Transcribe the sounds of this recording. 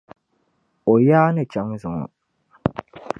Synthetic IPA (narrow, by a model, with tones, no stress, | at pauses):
o˨jaː˦nɨ˦t͡ʃa˨˦ŋzɨ˨ŋɔ̰˨